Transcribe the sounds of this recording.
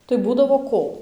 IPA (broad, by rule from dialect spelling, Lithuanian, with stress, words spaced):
tɐɪ ˈbuːdɐʋoː ˈkoː